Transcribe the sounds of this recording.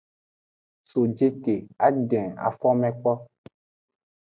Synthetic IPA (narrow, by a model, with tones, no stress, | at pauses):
so˨d͡ʒe˦te˨a˦ɖɛ̃˨a̰˨fɔ˦mɛ̃˦k͡pɔ˦